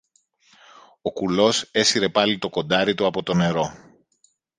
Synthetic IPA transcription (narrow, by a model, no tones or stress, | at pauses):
o̞kulo̞se̞siɾe̞pɐlit̪o̞ko̞nd̪ɐɾit̪uɐpo̞t̪o̞ne̞ɾo̞